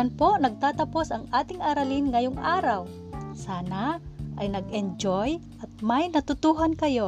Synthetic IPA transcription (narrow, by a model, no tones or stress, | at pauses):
anponɐɡ̚t̪aːt̪ɐpo̞sɐŋʔaːt̪ɪŋʔaɾɐlɪnŋɐjoŋʔaːɾɐw | saːnaʔɐjnɐɡʔɛnd͡ʒojʔɐt̪̚majnɐt̪ʊt̪uːɦankɐjo̞